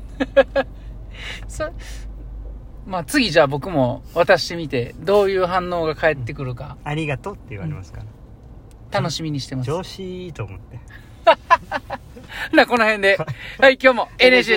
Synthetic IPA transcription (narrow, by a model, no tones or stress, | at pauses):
so | maːt͡sɨɡʲiʑaːbo̞kɯ̟mo̞βat̪aɕi̥t̪e̞mʲit̪e̞d̪o̞ːjɯ̟ːɦãnːo̞ːɡakae̞t̪ːe̞kɯ̟ɾɯ̟kaaɾʲiɡat̪ot̪ːe̞jɯ̰βa̰ɾemasɨ̥kaa | t̪ano̞ɕimʲiɲ̟iɕi̥t̪e̞masoːɕit̪oːmot̪ːe | nako̞no̞hẽ̞nd̪e̞haikʲo̞ːmo̞eneɕ